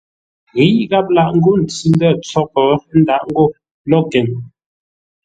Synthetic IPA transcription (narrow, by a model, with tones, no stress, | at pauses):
ɣi˨˦ɣa˦p̚la˨ʔŋ̩˦ɡo˦˨n̩˨t͡si˦n˦də˦˨t͡sɔ˦k̚ɔ˨˦n̩˦da˨ʔŋ˦ɡo˦˨ | lɔ˦˨ɡɛ˨ŋ